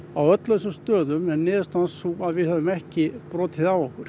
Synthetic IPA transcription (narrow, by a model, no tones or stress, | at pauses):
awœt̪lœsʏmst̪œːðʏmɛnːɪːðʏst̪ansuaðvɪðhɛvʏmɛhcɪpɾɔːt̪ʰɪðawɔhkʏɾ̥